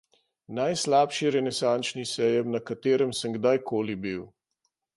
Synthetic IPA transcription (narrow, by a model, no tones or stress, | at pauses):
najslaːpʃiɾɛnɛsant͡ʃnisɛjɛmnakat̪eːɾəmsəmɡd̪ajkʰoːlibiw